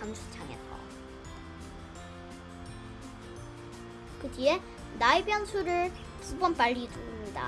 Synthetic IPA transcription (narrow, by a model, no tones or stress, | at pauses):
ansʰut͡ɕʰaŋḛsʰʌ̰ | kɯtie | naibjʌnsʰuɾɯɭ | kubʌnp͈aʎːitoɯɲida̰